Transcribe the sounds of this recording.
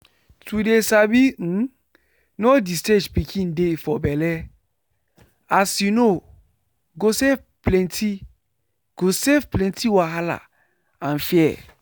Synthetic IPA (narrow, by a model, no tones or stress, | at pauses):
tʰudesabin̩ | nɔdisted͡ʒpikʰĩndefɔbɛlɛ | asino | ɡosef | plɛ̃ntʰi | ɡ̥osefplɛ̃ntiwaɦala̰ | ãnfiɛ̰